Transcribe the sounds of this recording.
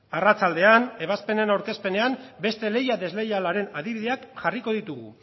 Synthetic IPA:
arat͡sald̪e̞ane̞β̞aspe̞ne̞nawɾke̞spe̞ne̞ambe̞st̪e̞le̞jaðe̞zle̞jalaɾe̞naðiβiðe̞akʝariko̞ð̞it̪uɣṵ

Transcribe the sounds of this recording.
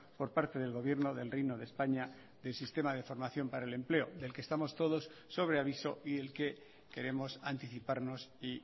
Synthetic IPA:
po̞ɾpaɾt̪e̞ðe̞lɣo̞β̞je̞ɾnoðe̞lrijnoðespaɲa | ðe̞lsist̪e̞mað̞e̞fo̞ɾmaθjo̞mpaɾaele̞mple̞oðe̞lkest̪amo̞st̪o̞ðo̞sːo̞β̞ɾe̞aβ̞iso̞iðe̞lke̞ | ke̞ɾe̞mo̞sant̪iθipaɾnosi

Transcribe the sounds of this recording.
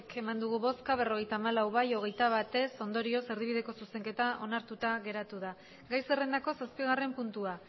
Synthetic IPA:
ke̞mand̪uɣuβo̞skaβ̞e̞ro̞ɣ̞e̞jt̪aːmalawβajo̞ɣ̞e̞jt̪aβ̞at̪e̞so̞nd̪o̞ɾio̞se̞ɾð̞iβið̞e̞ko̞suse̞ŋke̞t̪aʔo̞naɾt̪ut̪aɣe̞ɾat̪uða | ɡajsere̞nd̪ako̞saspiɣ̞are̞mpunt̪ua

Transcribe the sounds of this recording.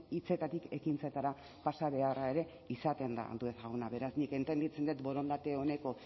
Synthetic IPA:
it͡se̞t̪at̪ike̞kint͡set̪aɾa | pasaβe̞arae̞ɾe̞ | isat̪e̞nd̪a̰a̰ld̪uesaɣunaβe̞ɾasnike̞nt̪e̞nd̪it͡send̪et̪bo̞ɾo̞nd̪at̪e̞one̞ko̞

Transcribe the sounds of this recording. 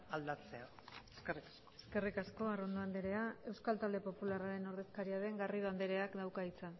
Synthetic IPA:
ald̪at͡seaeskerikḁskoesske̞rikasko̞aro̞nd̪oand̪eɾe̞ae̞wskalt̪ald̪e̞po̞pularaɾe̞no̞ɾðe̞skaɾiaðe̞ŋɡariðand̪eɾe̞akd̪awkait͡sa

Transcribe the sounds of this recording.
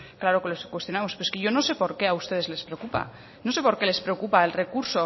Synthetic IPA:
klaɾokeloskwe̞st̪jonamospeɾe̥keʝo̞nose̞po̞ɾke̞aust̪e̞ð̞e̞zle̞spɾekupa̰ | nose̞po̞ɾke̞le̞spɾe̞okupaelre̞kuɾso̞

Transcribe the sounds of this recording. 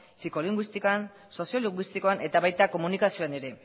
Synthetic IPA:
siko̞liŋɡwist̪ikoan | so̞sio̞liŋɡwist̪iko̞ane̞t̪aβajt̪ako̞munikasio̞ane̞ɾe̞

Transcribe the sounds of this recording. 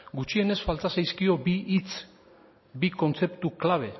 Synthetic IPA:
ɡut͡ʃie̞ne̞sfalt̪asajskio̞biʔit͡s | biko̞nt͡se̞pt̪uklaβ̞e̞

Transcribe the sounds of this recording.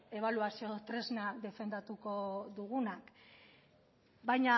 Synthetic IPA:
e̞β̞aluasio̞t̪ɾe̞znaðe̞fe̞nd̪at̪uko̞ðuɣunak | bajɲa

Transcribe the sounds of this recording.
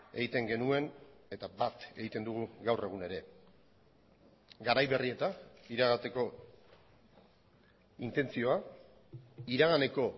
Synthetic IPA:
e̞ɣit̪e̞ŋɡe̞nue̞ne̞t̪abat̪e̞ɣit̪e̞nd̪uɣ̞uɡawre̞ɣ̞une̞ɾe̞ | ɡaɾajβe̞rie̞t̪aiɾaɣat̪e̞ko̞ | int̪e̞nt͡sio̞a | iɾaɣ̞ane̞ko̞

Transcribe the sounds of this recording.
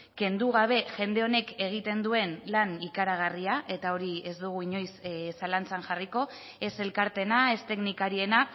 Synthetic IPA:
ke̞nd̪uɣ̞aβ̞e̞ʝe̞nd̪e̞o̞ne̞ke̞ɣ̞it̪e̞nd̪ue̞nlanikaɾaɣariaʔe̞t̪ao̞ɾie̞zd̪uɣ̞uiɲo̞jssalant͡saŋʝariko̞ | e̞se̞lkaɾt̪e̞nae̞st̪e̞knikaɾie̞na

